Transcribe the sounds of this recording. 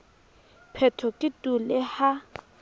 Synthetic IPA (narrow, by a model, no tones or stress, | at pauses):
pʰɛtʰɔkʼɪtʼulɪha